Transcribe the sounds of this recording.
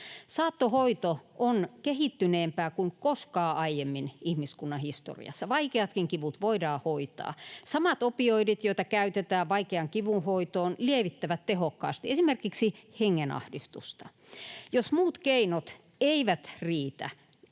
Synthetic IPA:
sɑːt̪ːohoit̪oʔonkehit̪ːyneːmpæːkuiŋkoskɑːʔɑijemːinihmiskunːɑhist̪o̰rḭɑ̰sːɑʋɑikeɑt̪kiŋkiʋut̪ʋoidɑːhoit̪ɑ̰ːsɑmɑt̪opioiɾit̪joit̪ɑkæyt̪et̪æːʋɑikeɑŋkiʋunhoit̪oːnlieʋit̪ːæʋæt̪t̪ehokːɑ̰ːst̪iesimerkiksiheŋːenɑ̰hdist̪ṵst̪ɑ | josmuːt̪keinot̪ | eiʋæt̪riːt̪æ̰

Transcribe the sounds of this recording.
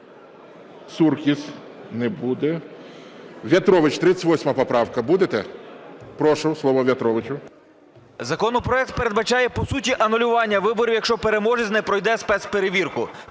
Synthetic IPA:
surkʲis | nɛbud̪ɛ | ʋʲjʲɐt̪ɾɔʋɪt͡ʃt̪ɾɪt̪ʲːə̥tʲʋɔsʲmɐpɔpɾɑwkɐbud̪et̪ɛ | pɾɔʃʊslˠɔʋɔʋʲjɐt̪ɾɔʋɪt͡ʃʊ | zɐkɔnɔpɾɔɛk̚t̪̚pe̞ɾe̞d̪bɐt͡ʃɑjɛpɔsutʲiʔɐnʊlʲʊʋɑnʲːɐʋɪbɔɾʲiwjɐkʃt͡ʃɔpe̞ɾe̞mɔʒɪzʲnɛpɾɔjd̪ɛspɛspeɾeʋʲirkʊ

